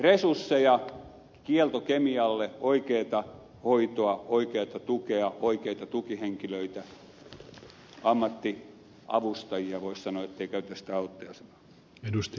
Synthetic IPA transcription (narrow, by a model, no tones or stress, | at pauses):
resursːejɑ | kielt̪okemiɑlːeoikeːt̪ɑ | hoit̪oɑoikeːt̪ɑt̪ukeɑoikeit̪ɑt̪ukiheŋkiløit̪æ | ɑmːɑt̪ːi | ʔɑ̰ʋust̪ɑjiɑʋoissɑnoɑet̪ːeikæyt̪æsi̥t̪æɑut̪ːoɑsɑ̥no̥ˑ | edust̪